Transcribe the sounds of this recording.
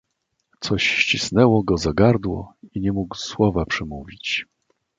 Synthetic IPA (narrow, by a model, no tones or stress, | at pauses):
t̪sɔɕɕt͡ɕisnɛwɔɡɔzaɡaɾd̪wɔ̰iɲɛmuɡwswɔvapʂɛmuvʲit͡ɕ